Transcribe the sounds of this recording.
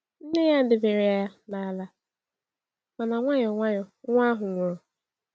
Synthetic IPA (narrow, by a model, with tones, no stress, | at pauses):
n̩˦ne˦ja˦n̩˦dɪ˨be˨ɾɪ˨a˦na˨˦la˦ | ma˨na˨ŋʷa˦ɲɔ˨ŋʷa˦ɲɔ˨ŋʷa˦ɦʊ˨ŋʷɔ˦˨